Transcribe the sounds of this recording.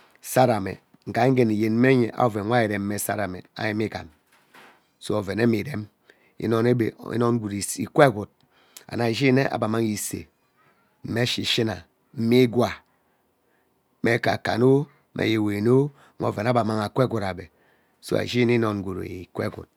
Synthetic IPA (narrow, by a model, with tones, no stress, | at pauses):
sa˦ɾa˨mḛ˨ | ŋ̩˨ka˨˦ŋ̩˦ɡe˦ni˨je˨n̩˦me˦ɲe˨ʔa̰˦˨ve˨ŋʷa˦i˨ɾe˨m̩˦me˨sa̰˦ɾa˨me˨a̰˨ji˦mi˦ka̰˨n | so˦o˨ve˨ne˦mi˨ɾe˦m | ḭ˦no˦ne˦be˨ḭ˦no˦n˦ɡʷu˨ɾi˨ḭ˨kʷe˦ɡu˨t̚ | a̰˨na˨d͡ʒi˦ne˦ʔa̰˨ba˨ma˦ŋi˨sḛ˨ | m̩˦me˦ʃi˨ʃi˦na̰˨ | m̩˦mi˦ɡwa˨ | me˨ka̰˨ka̰˨no˦ | mʔḛ˨je˨we˨no˦ | ŋo̰˦˨ve˨na˦ba˨ma˦ŋa˨kʷe˦ɡu˨ɾa˨bḛ˨ | so̰˦a̰˨ʒi˦ni˦no˨n˦ɡu˨ɾo̰˨i˨kʷḛ˦˨ɡṵ˨t̚